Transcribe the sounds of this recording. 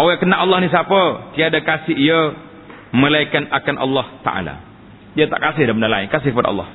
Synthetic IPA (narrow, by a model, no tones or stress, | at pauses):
ʔowɛkənaʔɑlːɑhnis̬apət̪iadakasɪɦiə | məlaikanakanʔɑ̰lːɔht̪a̰ʔa̰la̰ | iat̪a̰ʔkasɪhdapənala̰ɪnkasɪhkəpada̰ɑ̰lːɑ̰h